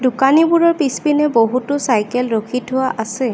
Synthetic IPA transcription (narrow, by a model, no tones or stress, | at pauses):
dʊkanibuɹɔɹpispinɛboɦutʊsajkɛlɹokʰitɦʊwaʔasɛ